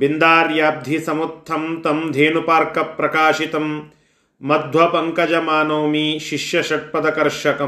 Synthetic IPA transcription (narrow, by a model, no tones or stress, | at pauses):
bind̪aːɾjaːb̚d̪ʱisɐmut̪ʰːɐmt̪ɐmd̪ʱeːnupaːɾkɐpɾɐkaːʃit̪ɐmː | ɐd̪ʱʋɐpɐŋkɐd͡ʒɐmaːnoːmiʃiʃjɐʃɐʈ̚pɐd̪ɐkɐɾʃɐkɐ